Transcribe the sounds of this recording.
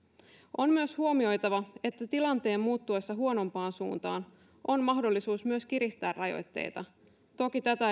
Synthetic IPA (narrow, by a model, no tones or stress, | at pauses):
ʔo̞mmyøshuomio̞jt̪ɑʋɑe̞t̪ːæt̪ilɑnt̪e̞ːmːuːt̪ːuesːɑɦuo̞no̞mpɑːnsṵːnt̪ɑːn | ʔo̞nmɑhdo̞lːisuːsmyøskiɾist̪æːrɑjo̰jt̪ːe̞̰jt̪ɑ | t̪o̞kit̪æt̪æ